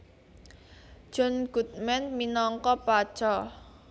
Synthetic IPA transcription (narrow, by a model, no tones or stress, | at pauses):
ʒ̥ɔ̤nɡ̥ṳt̪̚mɛnminɔŋkɔpḁt͡ʃɔ